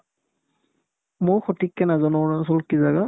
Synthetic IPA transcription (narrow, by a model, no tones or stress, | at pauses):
mojxɔtikːɛnazanɔs̬ɔlkizaɡa